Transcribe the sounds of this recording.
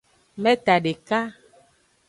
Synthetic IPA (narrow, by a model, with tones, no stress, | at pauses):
mɛ̃˦t̪a˨ɖe˨ka˦